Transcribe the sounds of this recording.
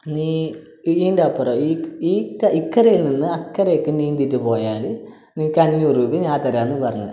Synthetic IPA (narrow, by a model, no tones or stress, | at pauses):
niː | indɐpːɐroiikɐikːɐɾɐjilninːɨɐkːɐɾɐjokːɨniːnd̪itːɨpo̞ːjaːl | niːkɐnijuruːbiɲãːt̪ɐɾaːnːɨpɐrɐɲːɐ̰